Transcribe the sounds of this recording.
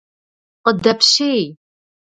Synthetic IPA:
qəd̪ɐpʃej

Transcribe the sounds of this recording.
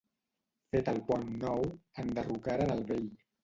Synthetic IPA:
fet̪əlˠpɔnːɔwənd̪ərukaɾənəlˠβeʎ

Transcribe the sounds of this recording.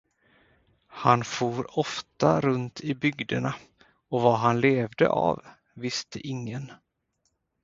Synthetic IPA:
hanfuːɾɔft̪aɾɵnt̪ʰɪbʏɡd̪əɳa | ɔvaɦanleːvd̪ə̰ʔa̰vː | ɪst̪əʔɪŋːən

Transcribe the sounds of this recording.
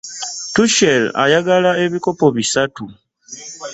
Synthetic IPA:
tuʃela̰jaɡalae̞βiko̞po̞βisatu

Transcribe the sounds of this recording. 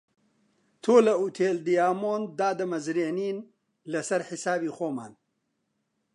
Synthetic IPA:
t̪ʰoːlɐuːt̪ʰeːld̪ijaːmoːnd̪aːd̪ɐmɐzɾeːniːn | lɐsɐɾħisaːbiːxoːma̰ːn

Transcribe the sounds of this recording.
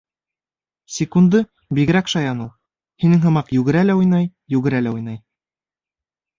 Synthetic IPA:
sʲɪkund̪ɤ | biɡɘ̆ɾækʃɑjɑnulˠ | hinɘŋɦɤ̆mɑqjʉɡɘ̆ɾælæujnɑjjʉɡɘ̆ɾælæujnɑj

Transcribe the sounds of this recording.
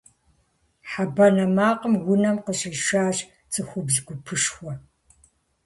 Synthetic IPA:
ħabɐnɐmaːqəmwʷʊnɐmqəɕʼɪʃaːɕ | t͡sʼɨxʷʊbzɨɡʷʊpʰɨʂxʷɔ

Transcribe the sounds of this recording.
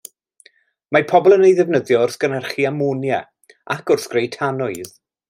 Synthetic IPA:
mapʰɔbɔlˠənejðɛvnəðjɔʊrsɡ̥ənɛrχiamunjɛ | akʊrθɡ̥rejtʰanʊɨð̥

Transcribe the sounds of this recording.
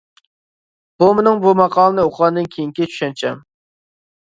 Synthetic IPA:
b̥umenɨŋbumɑqʰɑːlˠənɨoqʰlɑnd̪ɨnkʲʰejiŋkʲit͡ʃʰy̥ʃɛnt͡ʃʰɛm

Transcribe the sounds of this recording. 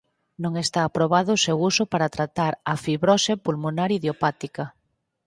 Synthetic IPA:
nõŋest̪aːpɾoβaðʊsewusopaɾat̪ɾat̪aɾafiβɾosepulmonaɾiðjopat̪ika

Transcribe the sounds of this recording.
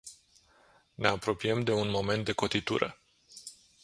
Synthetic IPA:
ne̞apɾo̞piemd̪e̞unmo̞me̞nt̪̚d̪e̞ko̞t̪it̪ṵɾə̰

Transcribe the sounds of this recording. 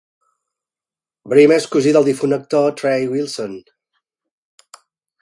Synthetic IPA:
bɾimɛskuziðəlˠd̪ifunək̚t̪ot̪ɾɛjwilˠson

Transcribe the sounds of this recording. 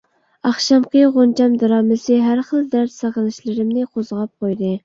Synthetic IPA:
ɑχʃɑmqəʁond͡ʒɑmd̪ɑɾɑːmɨsɨɦæɾχəlˠd̪æɾt̪sɑʁəlˠɨʃlɨɾɪmnɨqʰozʁɑp̚qʰojd̪ɨ

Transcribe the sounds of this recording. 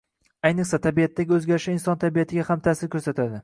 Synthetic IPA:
ajnɪχsat̪ʰabijat̪ːaɡʲɪɵzɡʲaɾɪʃɪɪnsɒnt̪ʰabijat̪ʰɪɡʲahamt̪ʰasɪɾkʰʲɵɾsat̪ʰad̪ɪ

